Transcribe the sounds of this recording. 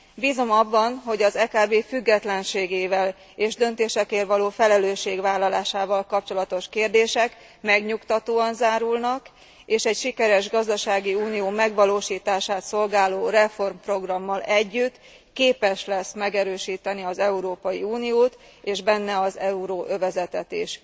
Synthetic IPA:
biːzo̞mɒbːɒnɦo̞ɟɒzɛːkaːbeːfyɡːɛt̪lɛnʃeːɡeːvɛl | eːʒd̪ø̞nt̪eːʃɛkeːrvɒloːfɛlɛløːʃːeːɡʋaːlːɒlaːʃaːvɒlkɒp̚t͡ʃo̞lɒt̪o̞ʃkeːrd̪eːʃɛk | mɛɡɲukt̪ɒt̪oːɒnzaːɾulnɒk | eːʃɛɟʃikɛɾɛʒɡɒzd̪ɒʃaːɡiuːnijoːmɛɡʋɒloːʃiːt̪aːʃaːt̪so̞lɡaːloːrɛfo̞rmpro̞ɡrɒmːɒlɛɟːyt̪ː | keːpɛʃlɛsmɛɡɛɾøːʃiːt̪ɛniɒzɛuɾoːpɒjiuːnijoːt̪ | eːʒbɛnːɛɒzɛuɾoːʔøvɛzɛt̪ɛt̪iʃ

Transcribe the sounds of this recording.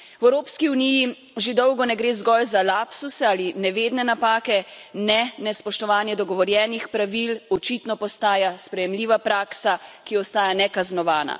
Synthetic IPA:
wɛwɾoːpskiuniji | ʒed̪ɔwɡɔnɛɡɾeːzɡɔjzalapsusɛaːlinɛʋeːd̪nɛnapaːkɛnɛnɛspɔʃt̪ɔʋaːnjɛd̪ɔɡɔʋɔɾjɛːnixpɾaʋilɔt͡ʃit̪nɔpɔst̪aːjaspɾɛjɛmliːʋapɾaːksakiɔst̪aːjanɛkaznɔʋaːna̰

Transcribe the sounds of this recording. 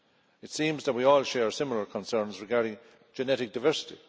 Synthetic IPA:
ɪtsĩːmzðət̚wiɔːlˠʃɛːɹsɪ̃mələ˞kʰə̃nsɜ̃˞nzɹɪɡaɹɾɪ̃ŋ | d͡ʒənɛɾɪk̚d̥aɪvɜ˞sɪ̥ti

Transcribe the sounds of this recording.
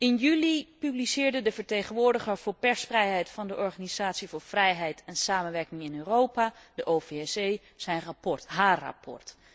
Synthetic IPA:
ɪnjylipyblisɪːɹdədəvəɹtejχənʋʊːɹdəχəɹv̥ʊːɹpɛɹsfrɛjɦɛjtfɑndəʔɔɹχaːniz̥aːtsivʊːɹvrɛjɦɛjtɛnsaːmənʋɛɹkɪŋɪnøːrowpadəʔoːfeɛsej | z̥ɛjnrɑpɔɹtɦaːrɑ̰pʰɔ̰ɹt

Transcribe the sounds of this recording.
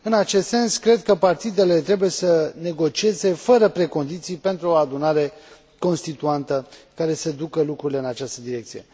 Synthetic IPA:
ɨnat͡ʃe̞st̪se̞nskɾe̞d̪̚kəpart̪id̪e̞le̞t̪ɾe̞buje̞səne̞ɡo̞t͡ʃie̞ze̞fəɾəpɾe̞ko̞nd̪it̪sijpe̞nt̪ɾuo̞ad̪unaɾe̞ | ko̞nst̪it̪uant̪əkaɾe̞sed̪ukəlukɾuɾile̞ɨnat͡ʃast̪əd̪iɾe̞k̚t̪sije̞̰

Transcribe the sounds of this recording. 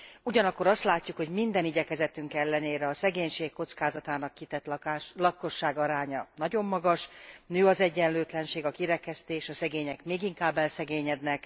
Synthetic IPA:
uɟɒnɒkːo̞ɾɒst̪laːcːukho̞ɟmind̪ɛniɟɛkɛzɛt̪yŋkɛlːɛneːɾɛɒsɛɡeːɲʃeːkːo̞t̪skaːzɒt̪aːnɒkːit̪ɛt̪llɒkːo̞ʃːaːɡɒɾaːɲɒnɒɟo̞mːɒɡɒʃnøːɒzɛɟːɛnløːt̪lɛnʃeːɡɒkiɾɛkɛst̪eːʃɒsɛɡeːɲɛkmeːɡiŋkaːbːɛlsɛɡeːɲɛd̪nɛk

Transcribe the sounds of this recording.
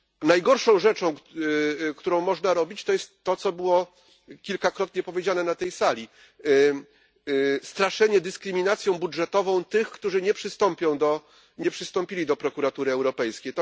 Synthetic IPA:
najɡɔɾʂɔ̃w̃ʐɛt͡ʂɔ̃w̃ | kt̪uɾɔ̃w̃mɔʐnaɾɔbʲit͡ɕt̪ɔjɛst̪ːɔt̪sɔbɘwɔ | kʲilkakɾɔt̪ɲɛpɔvʲjed͡ʑanɛnat̪ɛjsalʲi | st̪ɾaʂɛɲɛd̪ɘskɾɘmʲinat̪sʲjɔ̃w̃budʐɛt̪ɔvɔ̃w̃t̪ɘxkt̪uʐɘɲɛpʂɘst̪ɔmpʲjɔ̃w̃d̪ɔ | ɲɛpʂɘst̪ɔ̃mpʲilʲid̪ɔpɾɔkuɾat̪uɾɘɛwɾɔpɛjskʲejt̪

